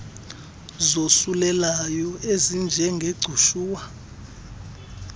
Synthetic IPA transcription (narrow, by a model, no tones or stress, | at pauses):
zosulɛlajɔezind͡ʒʱɛŋɡʱeɡ͡ǀʱuʃuːwa